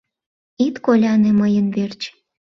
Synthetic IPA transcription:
it̪kolʲɑneməjənβert͡ɕ

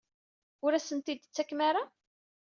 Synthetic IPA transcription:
ʊɾæsənt̪id̪t͡sːækːmaɾa

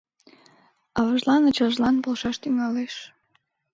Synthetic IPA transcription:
ɑβɑʒlɑnət͡ɕɑʒlɑnpolʃɑʃt̪yŋɑleʃ

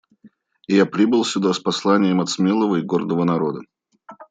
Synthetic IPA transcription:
ɪjapɾʲibɨlˠsʲʊd̪aspɐslˠanʲɪjəmɐt̪smʲelˠəvəɪɡord̪əvənɐɾo̞d̪ə

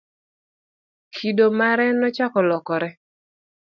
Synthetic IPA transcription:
kʰidomaɾɛnɔt͡ʃakɔlɔkɔɾɛ

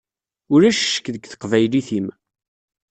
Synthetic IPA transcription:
ʊɾæʃʃə̥kːðəɡθə̥qvæjliθim

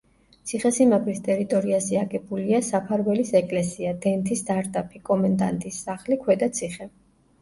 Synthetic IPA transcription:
t̪sʰiχɛsimabʰɾist̪ʼɛɾit̪ʼɔɾiazɛaɡʼɛbuliasapʰaɾwɛlisɛkʼlɛsiad̪ɛnt̪ʰist̪aɾt̪ʼapʰikʼɔmand̪a̰nt̪ʼisːaχlikʰwɛd̪at̪sʰiχɛ

